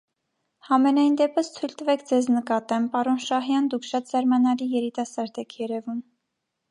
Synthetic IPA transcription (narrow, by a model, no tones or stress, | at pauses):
hɑmɛnɑjnd̪ɛpəst̪ʰujlt̪əvɛkʰd͡zɛznəkɑt̪ɛmpɑɾɔnʃɑɦjɑnd̪ukʰʃɑt̪zɑɾmɑnɑlijɛɾit̪ɑsɑɾd̪ɛkʰjɛɾɛvum